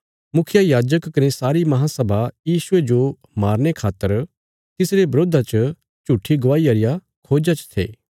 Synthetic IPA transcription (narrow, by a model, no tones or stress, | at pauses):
mʊkʰɪjajaːd͡ʒəkːɐnesaːɾimɐɦãsɐbʱajiːsʊed͡ʒo | maːɾnekʰaːt̪ːəɾ | t̪ɪsɾebɾoːd̪ʱat͡ʃə | t͡ʃuʈʰːiɡʋaːiɐɾɪja | kʰoːd͡ʒat͡ʃt̪ʰḛː